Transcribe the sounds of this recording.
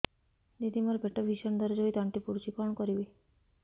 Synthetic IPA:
nit̪imɔɾbʱeʈɔbʱiʃɔnd̪ɔɾd͡ʑoɦit̪aɳʈipuɾt͡ʃikɔɳkɔɾibe

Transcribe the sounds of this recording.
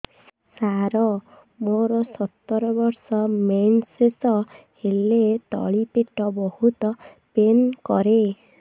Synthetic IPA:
saɾɔ | moɾɔsɔt̪ːɔɾɔbɔɾsɔmensesɔ | helet̪ɔ̰ɭipeʈɔbɔhut̪ɔpenkɔɾe

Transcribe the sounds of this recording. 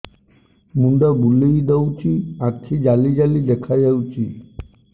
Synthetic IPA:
muɳɖabulːeid̪əwt͡ʃiakʰːid͡ʑalid͡ʑalid̪ɛkʰad͡ʒawt͡ɕḭ

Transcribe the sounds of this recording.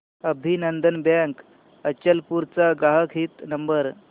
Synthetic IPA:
əbʱinənd̪ənbjãŋk | ət͡ɕːəlpuɾt͡saɡaɦəkʰɦiːt̪nəmbəɾ

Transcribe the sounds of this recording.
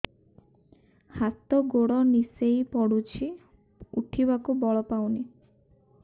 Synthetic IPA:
hat̪ɔɡoɽɔnisejpɔɽut͡ʃʰi | uʈʰibakubɔɭɔpawni

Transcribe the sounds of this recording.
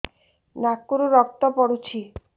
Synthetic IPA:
nakuɾuɾɔk̚t̪ɔpɔɽut͡ʃʰi

